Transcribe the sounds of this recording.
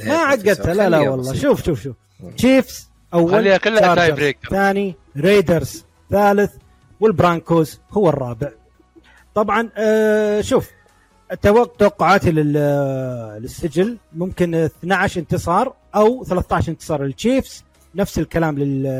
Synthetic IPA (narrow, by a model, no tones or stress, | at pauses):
maħaɡːat̪halalawɑlˤːɑːʃuːfʃuːfʃuːf | t͡ʃiːfs | ʔawːalaːɾaɾɾeθaːni | ɾeːd̪ɑɾˤz | θaːlɪθ | wɪlbɾaŋkoːzhʊwːɨrˤːɑːbɪʕ | t̪ˤɑbʕɑn | ʃuːf | t̪ːawat̪awaqːʊʕaːt̪ilɪ | lɪsːɪd͡ʒɪlmʊmkɪnθnaʕaʃʔɪnt̪ɨsˤɑːɾˤ | ʔawθalaθt̪aʕʃʔɪnt̪ɨ̥sˤɑːɾˤlɪlt͡ʃiːfs | nafsɪlkalaːmlɪl